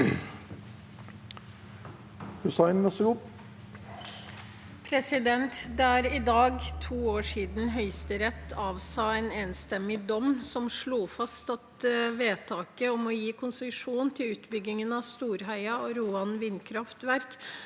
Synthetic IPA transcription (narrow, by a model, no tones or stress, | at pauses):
hʉsɑɪnmɑsɡʊ | pʰɾɛsɪd̪ɛnt̪d̪ɛæːɾɪd̪ɑːɡt̪ʰuːoːʂiːd̪n̩ɦœʏst̪əɾɛt̪ːɑːʋsɑːeːneːnst̪ɛmːɪd̪ɔmsɔmʂɭuːfɑst̪ɑt̪ʋeːt̪ʰɑːkəɔmɔjiːkʰʊnsəʂuːnt̪ʰɪlʉːt̪bʏɡɪŋənɑʋst̪uːɾɦæɪɑɔɾuːɑnʋɪnkʰɾɑft̪ʋæɾk